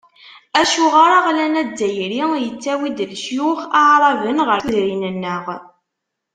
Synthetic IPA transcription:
æʃuʁaɾaʁlænædːæjɾijət͡sːæwid̪lʃjuxaʕɾˤɑvənʁəɾðɾinənːəʁ

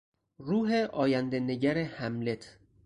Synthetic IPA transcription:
ruːɦeʔɒːjænd̪eneɟæɾehæmle̞t̪ʰ

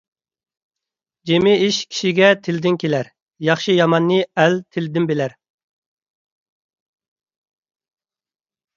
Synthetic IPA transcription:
d͡ʒemɪiʃkʲʰi̥ʃiɡʲɛt̪ʰɪld̪ɪnkʲʰelæɾ | jɑχʃɨjɑmɑnːɨælt̪ʰɪld̪ɪnbelæɾ

